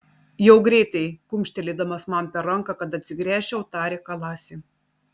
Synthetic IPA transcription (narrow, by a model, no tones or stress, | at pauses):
jɛʊɡɾʲɛɪt̪ɐɪkʊmʲʃʲt̪ʲɛlʲɪd̪ɐmɐsmɐmpʲɛɾɐŋˑkɑkɐt̪ɐt̪ʲsʲɪɡɾʲæːʃʲɛʊt̪ɑːɾʲɛkɐlˠɑːsʲɪ